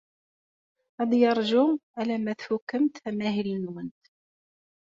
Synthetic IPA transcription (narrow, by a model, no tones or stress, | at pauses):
ɑd̪jɑɾˤʒʊmʔælæmæθfʊkːəmt̪æmæɦilnwənt̪